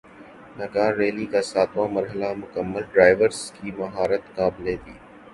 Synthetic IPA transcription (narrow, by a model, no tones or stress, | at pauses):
nɐkaːɾːeːlikaːsaːt̪ʋãmɐɾɦəlamʊkəmːəlɖɾaːɪʋəɾzkiːmɐɦaːɾət̪kaːbɪlet̪ʰiː